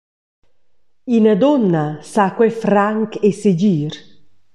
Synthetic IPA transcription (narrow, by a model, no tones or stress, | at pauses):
ind̪ɔnːasakwɛfɾaŋkesed͡ʒiːɾ